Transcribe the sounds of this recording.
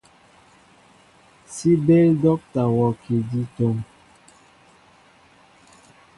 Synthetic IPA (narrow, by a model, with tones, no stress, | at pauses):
si˦be˦ldɔ˦k̚ta˨wɔ˨ki˨di˦to˨˦ŋ